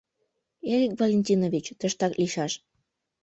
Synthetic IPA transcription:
eɾikvolʲenʲtʲinovʲit͡ɕt̪əʃt̪ɑkliʃɑʃ

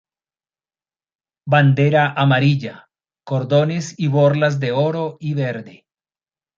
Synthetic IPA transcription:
band̪e̞ɾaʔamaɾiʎa | ko̞ɾðo̞ne̞siβo̞ɾlazd̪e̞o̞ɾo̞iβe̞ɾðe̞

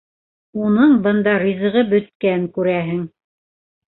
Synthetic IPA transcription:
unɤɴbɤ̆nd̪ɑɾizɤ̆ʁɤbɵ̆t̪̚kæŋkʉɾæɦɘŋ

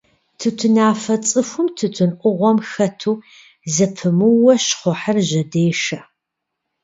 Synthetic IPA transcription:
tʰɨtʰɨnaːfɐt͡sʼɨfʷʊmtʰɨtʰɨnʔʷʊʁʷɔmxɐtʰuː | zɐpʰɨmɨwɐɕχʷɔħərʑɐdeːʂɐ

